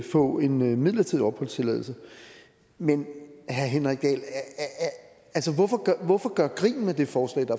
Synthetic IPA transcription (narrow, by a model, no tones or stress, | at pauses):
fɔ̰̽ːe̝nmið̞̰ˠlɐt͡sʰiðˠiɒ̽b̥hɒ̽l̰st͡sʰe̝lɛ̰ð̞ˠl̩ˠsə | menhæɦenʁaɡ̥ɛ̰ːl | ælsəʋɒfɒɡ̥ʋɒfɒ̽ɡ̥ɶɐɡ̥ʁḭːn̩med̥e̝fɒːslɛ̰ːd̥ɑ̈